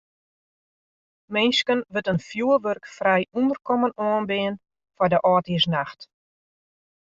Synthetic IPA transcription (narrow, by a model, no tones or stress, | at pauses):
mɪnskənʋətənfjuəʋørkfrɛjundərkɔmənɔənbɪːən | fɔrdəʔɔːtiəsnaxt